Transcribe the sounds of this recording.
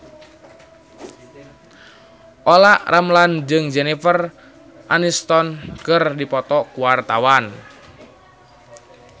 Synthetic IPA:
ʔɔlaʔramland͡ʒɨŋd͡ʒɛnifər | ʔanist̪ɔnkɨrdipɔt̪ɔkuwart̪awan

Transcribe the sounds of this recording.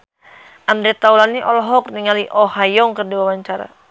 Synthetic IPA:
ʔand̪ɾit̪aulaniʔɔlɔɦɔk̚niŋaliʔɔhajɔŋkərdiwawaɲt͡ʃaɾa̰

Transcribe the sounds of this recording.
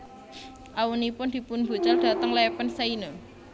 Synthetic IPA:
ʔawunipʊnd̪̥i̤pʊnb̥ṳt͡ʃɔld̥a̤t̪əŋlɛpənseino

